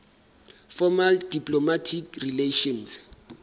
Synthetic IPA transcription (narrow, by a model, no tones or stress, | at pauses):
fɔmaldipʼlomatʰikrileʃɔns